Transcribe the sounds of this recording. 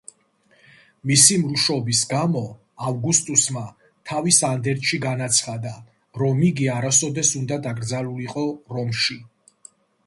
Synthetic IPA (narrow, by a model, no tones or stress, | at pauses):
misimɾuʃɔbisɡamɔ | avɡust̪ʼusma | t̪ʰavisand̪ɛɾt̪ʼʃiɡanat̪sʰχad̪a | ɾɔmiɡiaɾasɔd̪ɛsund̪ad̪aɡɾd̪zaluliqʼɔɾɔmʃi